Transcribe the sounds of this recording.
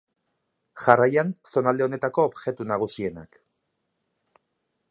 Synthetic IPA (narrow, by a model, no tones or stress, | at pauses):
ʝarajanso̞nald̪e̞one̞t̪ako̞ːβʝe̞t̪unaɣ̞usie̞na̰k